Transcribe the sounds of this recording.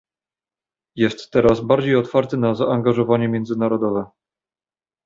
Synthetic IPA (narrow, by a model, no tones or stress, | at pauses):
jɛst̪ːɛɾasbaɾd͡ʑejɔt̪faɾt̪ɘnazaʔaŋɡaʐɔvaɲɛmʲjɛnd̪zɘnaɾɔd̪ɔvɛ